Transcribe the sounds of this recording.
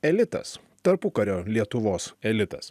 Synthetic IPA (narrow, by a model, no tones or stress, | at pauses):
ɛlʲɪt̪ɐ̰s | t̪ɐɾpʊkɐɾʲoːlʲiɛt̪ʊʋoːsɛlʲɪt̪ɐ̰s